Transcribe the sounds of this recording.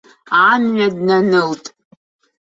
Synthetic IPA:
anɥadnanɨltʼ

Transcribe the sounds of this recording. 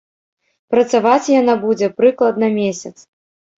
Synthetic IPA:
pɾɐt̪savat͡sʲjanabud͡zʲɛpɾɨklˠɐd̪̚nɐmʲesʲɐt̪s

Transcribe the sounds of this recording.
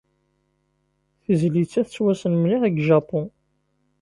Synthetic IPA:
θəzlit͡sːæθət͡sːwæsənmniʁəɡʒɑpɔ̃

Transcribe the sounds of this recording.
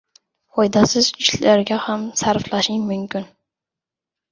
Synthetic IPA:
fɒjd̪asɪzɪʃlaɾɡʲahamsaɾflaʃɪŋmʊmkʲʰɪn

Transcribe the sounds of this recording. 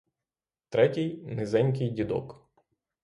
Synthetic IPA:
t̪ɾɛtʲɪjnɪzɛnʲkɪjdʲid̪ɔ̰k

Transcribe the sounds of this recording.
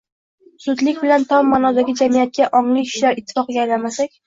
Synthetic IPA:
sʊd̪lɪk̚ʲbɪlant̪ʰɒmːanɒd̪aɡʲɪd͡ʒamijat̪̚kʲaʔɒŋlɪkʲʰɪ̥ʃlaɾɪt̪ʰːɪ̥fɒqɡʲajlamasakʲ

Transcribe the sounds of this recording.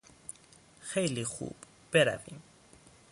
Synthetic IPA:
xejlixṵːb̥ | b̥eɾa̰vḭm

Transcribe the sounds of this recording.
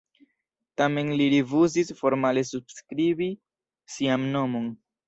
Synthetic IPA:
tame̞nliɾivuzisfo̞ɾmale̞subskɾibi | siamno̞mo̞n

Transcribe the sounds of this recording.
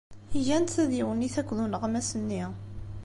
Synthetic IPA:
iʝænθæðiwənːiθækʷːðunʁmæsənːi

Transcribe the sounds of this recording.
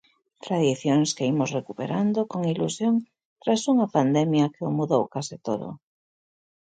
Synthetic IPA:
t̪ɾaðiθjoŋskeimʊsrekupeɾand̪okoŋilṵsjoŋ | t̪ɾasuŋɐpand̪ɛmjakeomuðowkasɪt̪oðo̰

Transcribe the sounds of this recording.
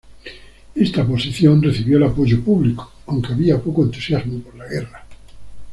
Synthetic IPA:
e̞st̪apo̞siθjo̞nreθiβjoelapo̞ʝopuβliko̥awŋke̞aβiapokoe̞nt̪u̥sjazmopoɾlaɣe̞ra

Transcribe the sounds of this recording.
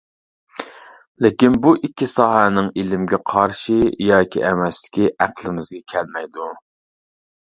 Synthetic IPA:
lɪkʲinbuʔikʲːisɑːɦɛnɪŋelɪmɡʲɛqʰɑɾʃijɑːkʲʰḭʔɛmɛslɪ̥kʲiʔæqlˠɪmɪzɡʲɛkʲʰɛlmɛjd̪u

